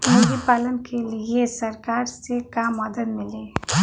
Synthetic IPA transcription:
əɡipalənkeliesəɾkaɾsekamːəd̪əd̪mile

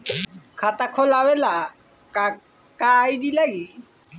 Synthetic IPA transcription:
kʰat̪akʰolawela | a | kajd̪ilaɡi

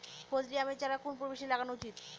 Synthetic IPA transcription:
kʰod͡ʑɾiamet͡ɕaɾakunpuɾbeʃilaɡanut͡ɕit̪

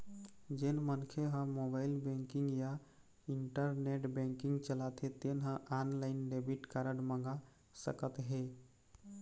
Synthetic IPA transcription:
d͡ʒenmənkʰeɦə̃mobaɪlbɛ̃ŋkiŋɡja | iɳʈəɾneʈbɛ̃ŋkĩŋɡt͡ʃəlat̪ɦet̪enɦə̃ʔanlaɪnɖebiʈkaɾəɖmə̃ŋɡa | sə̰kət̪ɦe

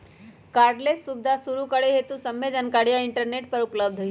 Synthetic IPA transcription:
kaɾɖlesːubd̪ʱasuɾukəɽeɦet̪ũsəmjed͡ʒənkaɽjaɪɳʈəɾneʈ̚pəɾupləb̚d̪ʱə

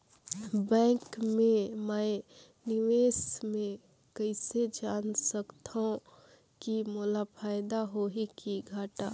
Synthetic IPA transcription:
bɛ̃ːkmẽməɪ | nɪʋeːsmẽ | kəɪsed͡ʒaːnsəkt̪aõ | kimolapʰaːɪd̪aɦoɦikiɡʱaːʈaː

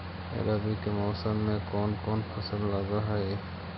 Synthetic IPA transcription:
ḛɾaːbikemɔːsəmːẽkɔːnkɔːnpʰəsəlləɡaɦɛe

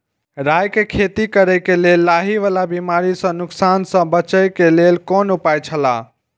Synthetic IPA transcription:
ɾajkekʰet̪ikəɾəjkelelːaɦiʋalabimaɾisə̃nʊksansə̃bət͡ʃəkelelkoːnʊpajt͡ʃʰəla

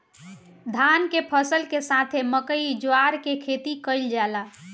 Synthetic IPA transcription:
d̪ʱankepʰəsəlkesat̪ʰeməkəid͡ʒoaɾkekʰet̪ikəɪld͡ʒala

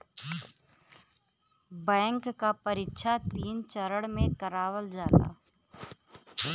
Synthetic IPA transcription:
bɛ̃ːŋkːapɐɾɪtʃʰat̪iːnt͡ʃəɾəɽmẽkɐɾaːwəld͡ʒaːt̪a̰ː

